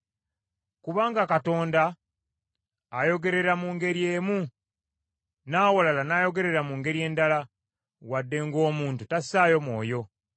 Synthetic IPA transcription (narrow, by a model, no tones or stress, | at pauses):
kuβaːŋɡakato̞ːnda | jo̞ɡe̞ɾe̞ɾamuːŋɡe̞ɾjeːmu | naːwolalanaːjo̞ɡe̞ɾe̞ɾamuŋɡe̞ɾje̞ːndala | wadːe̞ŋɡo̞ːmuːntutasaːjo̞mwo̞̰ːjo̞